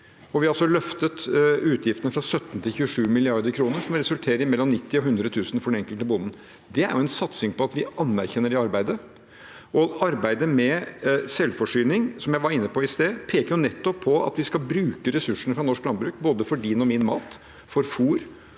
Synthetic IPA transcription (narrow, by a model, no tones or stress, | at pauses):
ɔʋɪhɑɑlsɔlœft̪ət̪ʉːt̪ʰjɪft̪ənəfɾɑsœt̪ːn̩t̪ʰɪlçʉːəʂʉːmɪlɪɑɾd̪əɾkʰɾuːnəʂɔmɾɛsʉlt̪ʰeːɾəɾɪmɛlːɔmnɪt̪ːɪɔɦʉnd̪ɾət̪ʰʉːsənfɔɖɛnɛŋkəlt̪əbʊnn̩ | d̪ɛæ̰ɾjʊɛnsɑt̪sɪŋpɔɑt̪ʋɪɑnmæɾçɛnːəɖɛɑɾbæɪd̪ə | ʔɔɑɾbæɪd̪əmɛsɛlfɔʂyːnɪŋsɔmjæɪʋɑɾɪnːəpɔɪst̪eːpʰeːkəɾjʊnɛt̪ːɔpʰːɔɑ̰t̪ʋɪskɑlbɾʉːkəɾɛsʉʂɳ̩fɾɑnɔʂklɑnbɾʉːk̚boːd̪əfɔɖiːnɔmɪnmɑ̰ːt̪ | fɔɾfuːɾ